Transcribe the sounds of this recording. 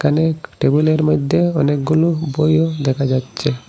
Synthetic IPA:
kʰaneʈebuleɾmɔd̪ʱːjeɔnek̚ɡulobojod̪ɛkʰad͡ʑatːɕʰe

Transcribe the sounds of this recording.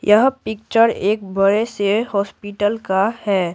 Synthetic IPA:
jəɦpɪk̚t͡ʃəɾeːk̚bəɾesehɔːspiʈəlkahɛː

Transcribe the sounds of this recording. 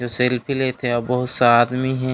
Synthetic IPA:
d͡ʒoːselpʰilet̪ʰeɔbɐɦʊt̪saaːd̪miɦɛ̃

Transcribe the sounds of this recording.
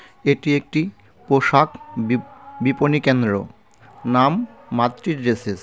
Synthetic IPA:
eʈiek̚ʈi | poʃak | biponikend̪ɾo̰ | namːat̪ːɾiɾɾeses

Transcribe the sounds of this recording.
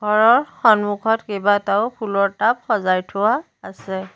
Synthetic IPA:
ɡʱɔɹɔɹxɔnmukʰɔtkebataʊpʰulɔɹtap̚xɔzajtʰʊwaː | sɛ

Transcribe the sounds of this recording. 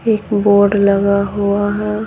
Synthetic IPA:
eːkboːɾɖləɡaɦuaɦɛ

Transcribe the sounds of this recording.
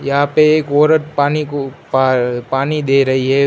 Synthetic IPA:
jaːpeeːkoːɾɐʈpaːnikupapaːnid̪eːɾɐɦiɦeː

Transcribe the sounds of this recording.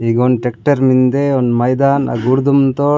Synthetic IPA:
iɡonʈek̚ʈɐɾmind̪eonmɐjd̪aːnɐ̰ɡuɾd̪umt̪o

